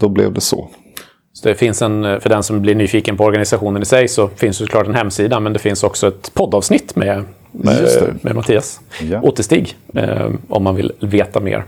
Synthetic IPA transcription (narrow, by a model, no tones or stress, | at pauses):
d̪̥ɔblɛ̰vd̪ɛsɔ̰ | sɔd̪ɛfɪnsɛnfœɖɛnsɔmblɪɳyːfiːkənpʰɔɔɾɡanɪsaɧuːnənɪsɛjsɔfɪnsd̪sɔklɑːʈɛnhɛmːsiːd̪amɛnd̪ɛfɪnsɔksɔɛt̪pʰɔd̪ːɑːvsnɪt̪ːmɛ | ɛ̰mɛ̰mat̪ʰiːasʔoːt̪əʂt̪iːɡ | ʔɔ̰mːanvɪ̰lveːt̪amḛːɾ